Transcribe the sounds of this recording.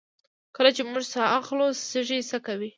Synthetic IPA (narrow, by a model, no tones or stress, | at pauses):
kəlat͡ʃemuʒsaʔaxlossəʒisəkawi